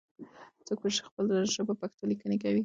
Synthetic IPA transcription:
t͡sok̚peʃi̥xpəld̪aʒəbəpaxt̪olikənekawi

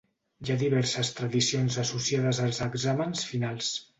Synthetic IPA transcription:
jaðiβɛɾsəst̪ɾəðisionzəsusiaðəzəlˠzəɡzamənsfinalˠs

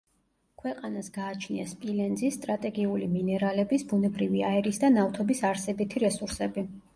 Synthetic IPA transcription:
kʰwɛqʼanasɡaːt͡ʃʰniaspʼilɛnd̪zist̪ʼɾat̪ʼɛɡiuliminɛɾalɛbisbunɛbɾiviaɛɾisd̪anaft̪ʰɔbisaɾsɛbit̪ʰiɾɛsuɾsɛbi

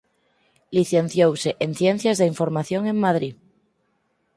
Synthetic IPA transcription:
liθen̟θjowseʔen̟θjen̟θjazðeiɱfoɾmaθjõŋẽŋmað̞ɾi

